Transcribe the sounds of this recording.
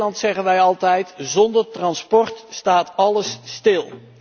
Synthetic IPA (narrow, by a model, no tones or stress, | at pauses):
lɑntsɛχənʋɛjɑlˠtɛjtzɔndərtrɑnspɔɹtstaːtɑləsstɪlˠ